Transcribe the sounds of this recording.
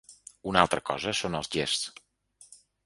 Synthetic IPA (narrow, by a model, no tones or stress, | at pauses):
unalˠt̪ɾəkɔ̰zəsonəlˠzʎess